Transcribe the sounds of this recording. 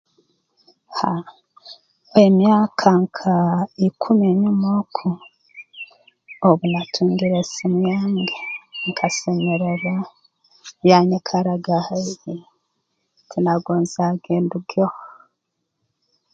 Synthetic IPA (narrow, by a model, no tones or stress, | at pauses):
ha | emjaːkʰaŋkʰaikʰumeɲumokʰu | oβunatʰuːŋɡiɾesimujaːŋɡeŋkʰasemeɾeɾa | jaɲekʰaɾaɡahaji | tʰinaɡoːnzaɡeːnduɡoh